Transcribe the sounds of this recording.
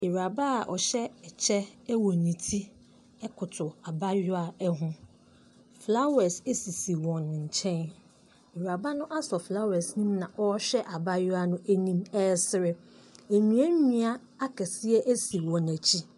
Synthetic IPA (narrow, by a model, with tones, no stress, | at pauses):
e˨ɾa˨ba˦˨ʔɔ̰˨ɕɛ˦ɛ˨t͡ɕʰɛ˦wɔ˨nĩ˨tʰi˦ | ɛ˦kʰʊ˨tʰʊ˨a˨ba˦jʊ˦a˨ɛ˦ɦʊ̃˦ | fla˦ɛ˨se˦si˨si˨wɔ̃˨n˨ɲ̩˨t͡ɕʰɛ̃˦n | e˨ɾa˨ba˦nʊ̃˦ʔa˦sɔ˨fla˦wɛ˨snĩ˦mnã˨ʔɔ˦ɕᶣɛ˦ʔa˨ba˦jʊ˦a˨nʊ̃˦ʔæ˦nĩ˦mɛ˦˨sɪ˨ɾɪ˨ | e˨ɲĩ˨˦æ˦ɲĩ˦a˦ | a˦kʰɛ˨sɪ˦ɛ˦ʔæ˦si˨wɔ̃˨næ˨t͡ɕʰi˦